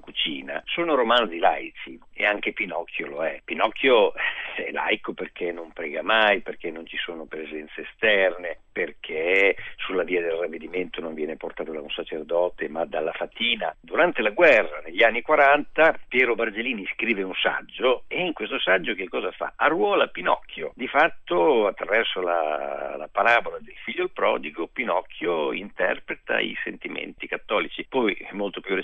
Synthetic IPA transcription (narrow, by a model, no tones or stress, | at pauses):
kut͡ʃiːna̰soːnoɾomand̪zila̰jt̪sieaŋk̟epinɔkʰːjoloɛpːinɔkʰːjoɛɛla̰jkoperkʰenːompɾɛːɡamajperk̟enːont͡ʃisoːnopɾezɛnt̪seːst̪ɛrneperkʰesulːaviːad̪elravːed̪iment̪onoɱvjɛːneport̪aːt̪od̪aunsat͡ʃerd̪ɔːt̪emad̪alːafat̪iːna̰d̪uɾant̪elaɡwɛrːaneʎːianːikwaɾant̪apjɛːɾobard͡ʒeliːniskɾiːveunsa̰d͡ʒːoeiŋkwest̪osad͡ʒːok̟ekːɔːzafa̰arwɔːlapːinɔ̰kʰːjo̰d̪ifat̪ːoat̪ːɾavɛrsola̰la̰paɾabolad̪elfiʎːolpɾɔ̰ːd̪iɡopinɔkʰːjoḭnt̪ɛ̰rpɾet̪a̰ḭsent̪imḛnt̪ikat̪ːɔːlit͡ʃipɔjɛmːolt̪opjure